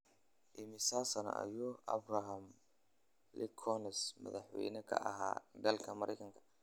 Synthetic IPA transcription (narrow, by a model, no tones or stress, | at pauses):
ʔɪmɪsaːsɐnɐ̰ʔɐ̰jɔːɐbrɐɦɐm | lɪkʰɔnɛsmɐ̰ðɑħwɛ̰jnɐkʰɐ̰ʔɐ̰ɦa̰ːd̪ɐlkʰɐmɐɾʔɛ̰jkʰɐŋkʰɐ̥